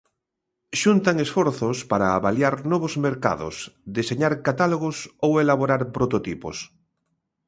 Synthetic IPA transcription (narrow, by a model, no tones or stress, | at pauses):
ʃunt̪aŋesfoɾθospaɾaːβaljaɾnɔβ̞ozmeɾka̰ðo̰sd̪iseɲaɾkat̪aloɣ̞osowelaβoɾaɾpɾot̪ot̪ipo̰s